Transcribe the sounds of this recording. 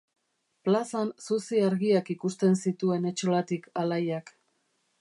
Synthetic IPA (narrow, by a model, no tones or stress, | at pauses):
plasansusiaɾɣiakikust̪e̞nsit̪ue̞ne̞t͡ʃolat̪ikalajak